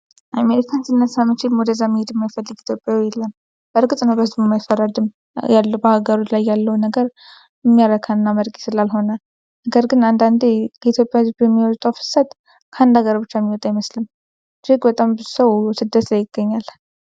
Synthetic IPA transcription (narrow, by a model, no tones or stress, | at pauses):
ʔameɾikʰansɨnːəsamːɨt͡ʃʰɪlmwɔd̪əzːamːihed̪ɨmːajfəlːɨɡit̪ʰjo̞pʼjawijɛlːəm | b̥əɾɡɨt̪ʼnəwbəzmomajifːərːad̪ɨm | jalːəbəhaɡəɾot͡ʃlajːalːəwnəɡəɾ | ɪmːijaɾəkʰanːaməɾkʼisɨlalɦo̞nə | nəɡəɾɡɨnand̪and̪ekʰəit̪ʰjo̞pʼjawzbɛmːiwɔt̪ʼawfɨ̥sat̪ | kʰəand̪aɡəɾbɨt͡ʃːamːiwɔt̪ʼajməslɨm | d̪ɾɨkbət̪ʼambɨzusəwsɨd̪ːət̪lajɪɡ̥ːəɲːal